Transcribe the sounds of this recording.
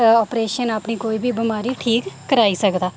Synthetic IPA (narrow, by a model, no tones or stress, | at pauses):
ɔːpɾeːʃənəpniːkoːiːbiːbɪmaːɾiːʈʰiːkːəɾaːiːsəkd̪aː